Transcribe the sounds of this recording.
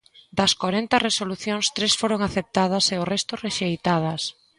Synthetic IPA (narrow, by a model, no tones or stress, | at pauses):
d̪ɐskoɾent̪ɐresoluθjoŋst̪ɾesfoɾoŋaθep̚t̪að̞ɐseʊrɛst̪ʊreʃejt̪að̞ɐs